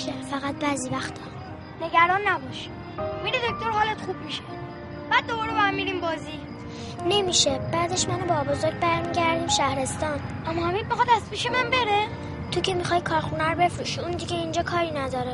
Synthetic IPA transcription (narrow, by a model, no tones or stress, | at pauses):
efæɣæt̪̚bæːziːvæxt̪ɒ | neɡæɾɒːnːæbɒʃi | miɾid̪oc̚ʰt̪oɾhɒːlet̪xubmiʃe̥ | b̥æːd̪̚ːobɒːɾebɒæmːiːɾiːmbɒːzi | ne̞miːʃeb̥æːd̪eʃmænobɒbozoɾɟ̚bæɾmiːɟæɾd̪iːmʃæhɾe̞st̪ɒːnʔæmːɒhæmid̪mixɑd̪æspiʃemænbe̞ɾe | t̪ʰocʰe̞mixɒːjkʰɒːɾxunæɾbe̞fɾuːʃiund̪iɟeind͡ʒɒːkʰɒːɾiːnæd̪ɒːɾe